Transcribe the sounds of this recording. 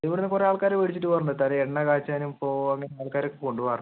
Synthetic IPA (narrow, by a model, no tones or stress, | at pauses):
ɐiʋiɽunːɨkureaːɭkaːɾeʋeɽit͡ɕːiʈːɨpɐrɳɖɨt̪aːneeɳːɐkaːt͡ɕːanumpoːɐŋːɐneaːɭkaːɾokːeko̞ɳɖupɐr